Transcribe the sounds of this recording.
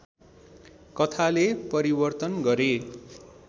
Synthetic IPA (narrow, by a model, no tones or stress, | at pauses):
kʌt̪ʰalepʌɾibʌrt̪ʌnɡʌɾe